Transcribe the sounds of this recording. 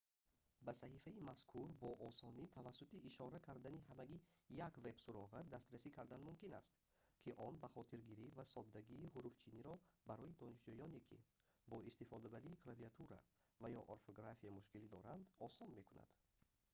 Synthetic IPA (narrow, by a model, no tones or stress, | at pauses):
basahifaimaskʰuɾbɔʔɔsɔnit̪ʰavasːut̪iːʃɔɾakʰaɾd̪aniɦamæɡijakve̞bsuɾɔʁad̪ast̪ɾasikʰaɾd̪anmumkina̰st̪ | kʰiʔɔnbaχɔt̪ʰiɾɡiɾivasɔd̪ːaɡiːɦuɾuft͡ʃʰiniɾɔbaɾɔid̪ɔniʃd͡ʒujɔnekʰḭ | bɔist̪ifɔd̪abaɾiːkʰlaviat̪ʰuɾa̰ | vajɔʔoɾfoɡɾafiamuʃkilid̪ɔɾand̪ɔsɔnme̞kuna̰d̪̥